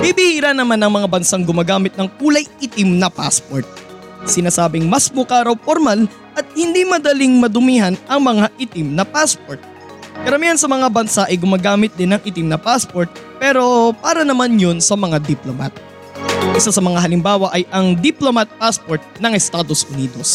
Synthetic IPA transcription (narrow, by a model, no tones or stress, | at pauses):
bibihiɾanːɐmanɐŋmɐŋabɐnsaŋɡʊmaːɡaːmɪt̪̚nɐŋkuːlɐjɪt̪ɪmnɐpaspoɹt̪̚ | sɪnaːsaːbɪŋmɐsmʊkaːɾɐwpoɾmal | ʔɐt̪̚hɪnd̪imɐd̪ɐliŋmɐd̪ʊmiɦɐnʔɐŋmɐŋaʔɪt̪ɪmnɐpaspoɹt̪̚ | kɐɾɐmiːhɐnsɐmɐŋabɐnsaʔɐjɡʊmaːɡaːmɪt̪̚d̪ɪnɐŋʔɪt̪ɪmnɐpaspoɹt̪̚pɛːɾo̞paːɾɐnɐmanjonsɐmɐŋad̪iploma̰t̪̚ | ʔɪsasɐmɐŋaɦɐlɪmbaːwɐʔɐjʔɐŋd̪iplomɐt̪̚paspoɹt̪̚nɐŋʔɛst̪aːd̪o̞sʔʊniːd̪o̞s